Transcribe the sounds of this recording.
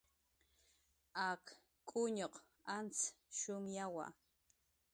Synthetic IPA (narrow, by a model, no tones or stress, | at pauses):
ɑk | kʼʊɲoq | ant͡sʃʊŋjawa̰